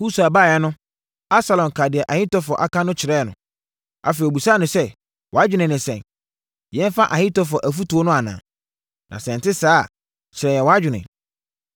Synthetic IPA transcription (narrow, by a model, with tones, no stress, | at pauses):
hu˦su˨a˨baː˦˨jɛ˦nʊ̃˦ | a˦sa˨lɔ̃˨n˨kʰa˨dɪ˨ɛ˨ʔa˨hɪ̃˦tɔ˦fɔ˨ʔa˦kã˦nʊ̃˦t͡ɕʰɪ˨ɾɛ˦˨nʊ̰̃˨ | a̰˨fe˨i˨o˨bu˨sa˦nʊ̃˨sɛ˦ | wʔɔ˨a˦d͡ʑᶣɪ˨˦nɪ̃˨nɪ̃˨sɛ̰̃˨n | jɛ̃˦n˦fa˦ʔa˨hɪ̃˦tɔ˦fɔ˨ʔæ˨fu˦tu˨o˦nʊ̃˦a˨nã̰˨ | nʔã̰˨sɛ̃˨n˨tɪ˦saː˦˨ | t͡ɕʰɪ˨ɾɛ˨jɛ˨wɔ˨a˦d͡ʑᶣɪ˨nɪ̰̃˨